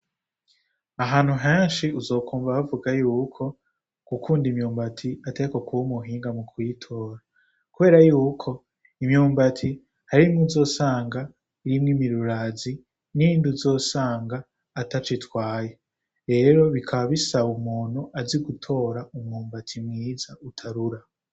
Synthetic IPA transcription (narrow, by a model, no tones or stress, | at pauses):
aɦaːn̥huɦeːnʃiuzo̞ːkʰuːmvaβavuɡajuːkʰo̞ | kukʰuːndimɲuːmbatʰiateko̞kuumuɦiːŋɡamukʰwiːtʰo̞ːɾa | kuβe̞ːɾajuːkʰo̞ | imɲuːmbatʰi | haɾimŋuzo̞ːsaːŋɡa | iɾimŋimiɾuɾazi | ninduzo̞ːsaːŋɡaː | tat͡ʃitwaːje | ɾe̞ːɾo̞βikʰaβaβisaβumuːn̥uʔaziɡutʰo̞ːɾaumŋuːmbatʰimŋiːzautʰaɾuɾa